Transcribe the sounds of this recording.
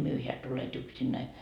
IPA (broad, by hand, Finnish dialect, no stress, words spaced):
myøheæ tulet yksinːæi